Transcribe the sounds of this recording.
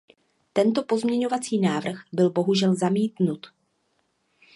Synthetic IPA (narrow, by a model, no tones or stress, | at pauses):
t̪ɛnt̪o̞po̞zmɲɛɲo̞vat͡siːnaːvr̩xbɪlbo̞ɦuʒɛlzamiːt̪nut̪